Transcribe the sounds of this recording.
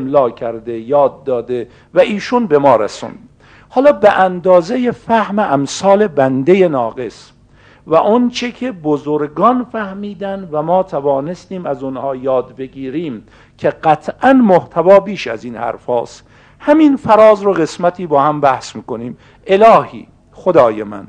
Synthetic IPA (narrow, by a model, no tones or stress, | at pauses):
mlɒːkʰæɾd̪ejɒːd̪̚ːɒːd̪e | væʔiːʃunbemɒːɾæ̰sṵnd̪ | hɒːlɒːbeʔænd̪ɒːzejefæhmeʔæmsɒːle̞bænd̪e̞jenɒːɡe̞s | væʔont͡ʃʰekʰe̞bozoɾɡɒːnfæhmiːd̪ænd̪væmɒːt̪ʰævɒːnest̪iːmæzonhɒːjɒːd̪be̞ɡiːɾiːm | kʰe̞ɢæt̪ʰʔænmoht̪ʰævɒːbiːʃæ̰ziːnhæ̰ɾfɒːst̪ | hæminfæɾɒːzɾoɣe̞smæt̪ʰiːbɒːhæmbæhsmiːkoniːm | e̞lɒːhḭː | xod̪ɒːjemæ̰n